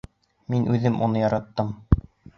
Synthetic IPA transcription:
minʔʉðɘmʔunɤjɑɾɑt̪ːɤm

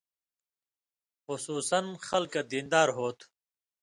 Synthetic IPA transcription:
xʊsuːsɐnxɐlkad̪iːnd̪aːɾɦoːt̪ʰ

